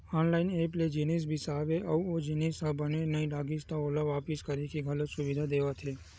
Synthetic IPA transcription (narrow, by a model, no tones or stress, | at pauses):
ɔnlainepled͡ʒinis̬bʱisaʋeʔəuod͡ʒinisabənenəĩlaɡist̪aolaʋapiskəɾikʰiɡʱələt̪suʋid̪ʱad̪eʋat̪ʰe